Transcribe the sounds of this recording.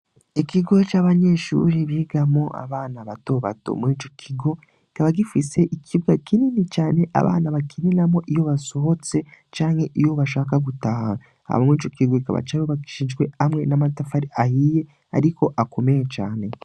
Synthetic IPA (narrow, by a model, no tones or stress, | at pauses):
ikiɡo̞t͡ʃaːβaɲe̞ːʃṵːɾiβiːɡamo̞ʔa̰βaːnaβato̞ːβa̰to̞̰mŋiːt͡ʃo̞kʰiɡo̞ | ikaβaɡifise̞ʔikʰiβɡakininit͡ʃaːne̞ʔa̰βa̰ːnaβakininamo̞ʔijo̞βaso̞ɦo̞t͡se̞t͡ʃaːŋhe̞ʔijo̞βaʃaːkaɡutaːhaa | a̰βamiːt͡ʃo̞kiɡo̞ika̰βa̰t͡ʃaoβaki̥ʃiːnʒɡwe̞amŋe̞namatafaɾiahije̞ | aɾiko̞ʔako̞me̞jet͡ʃa̰ːne̞